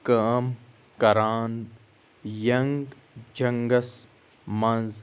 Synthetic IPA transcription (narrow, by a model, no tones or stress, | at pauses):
kaːm | kɐɾaːn | jɐŋɡ | d͡ʒɐŋɡɐs | mɐ̃nz